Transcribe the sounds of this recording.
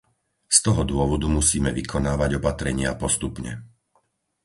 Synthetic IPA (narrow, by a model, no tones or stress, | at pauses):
st̪ɔɦɔd̪ʊɔʋɔd̪umusiːmɛʋikʰɔnaːʋaɟɔpat̪ɾɛɲɪapɔst̪upɲɛ̰